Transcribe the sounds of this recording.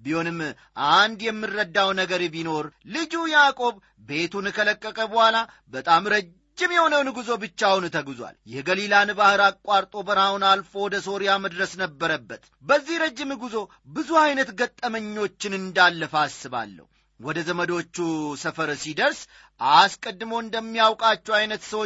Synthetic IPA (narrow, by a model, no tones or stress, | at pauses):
bihonɨmː | ʔand̪jɛmːɨrːəd̪ːawnəɡəɾbino̞ɾlɨd͡ʒujakʼo̞β | be̞t̪unɨkʰələkʼːəkʼəbəhʷala | bət̪ʼamɾə | d͡ʒd͡ʒːɪmjɛho̞nəwnɨɡuzo̞bɨt͡ʃːawnt̪ʰəɡuzwa̰ljɛɡəlilanbahɨɾakʼːaɾt̪ʼo̞bəɾawunalfo̞wɔd̪əso̞ɾijaməd̪ɾəsnəbːəɾəbːət̪ | bəzːihɾəd͡ʒːɪmɨɡuzo̞ | bɨzuajnət̪ɡət̪ʼːəməɲːo̞t͡ʃːɪnɨnd̪alːəfasɨβa̰lːə̰hu | wɔd̪əzəməd̪o̞t͡ʃːusəfəɾsid̪əɾs | ʔaskʼəd̪ːɨmowɨnd̪əmːijawkʼat͡ʃːɛwajnət̪səwo